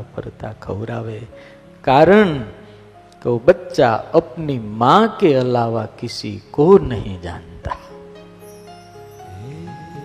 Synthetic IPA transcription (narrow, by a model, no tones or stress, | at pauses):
pə̰ɾt̪akʰə̰wɾaʋe | kaɾəɳ | keobətːʃa̰əpnimãkeəlaʋakɪsḭkonəɦĩd͡ʒã̰nt̪ḁ